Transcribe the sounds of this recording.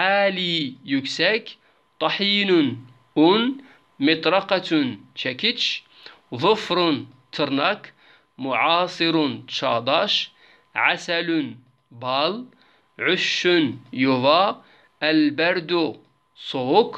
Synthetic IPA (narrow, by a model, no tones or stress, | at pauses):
ʔaːlijʊksæk | t̪ˤɑħiːnʊn | ʔʊn | mɪt̪ˤɾˤɑqɑt̪ʊnt͡ʃækɪt͡ʃ | ðˤɨfɾʊnt̪ʰɨɾnɑk | mʊʕɑːsˤɨɾʊnt͡ʃɑːd̪ˤɑʃ | ʕasælʊn | bɑl | ʕʊʃːʊnjʊva | ʔælbæɾd̪u | sˤoːk